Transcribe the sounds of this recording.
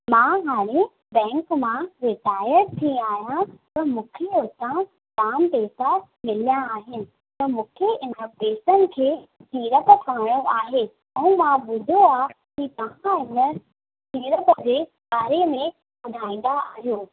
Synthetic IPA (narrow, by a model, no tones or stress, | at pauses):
mãɦaːɽ̃ẽ | bɛ̃ːŋkmãɾɪʈaːɪəɾt̪ʰĩaːɦijãt̪ɐmũːkʰeot̪ã | kaːmpeːsamɪlijãaːɦɪnɪ̆ | t̪ɐmũːkʰeɪnəbeːsənɪ̆kʰeːtiːɾəpə̆kãːoʔaːɦe | ɛ̃mãbʊd̪ʱoaː | kit̪ɐʋ̤ãɪnə | t̪iːɾəpd͡ʑeː | ɓaːɾemẽ | ɓʊd̪ʱaːĩːn̆d̪aaːɦijoː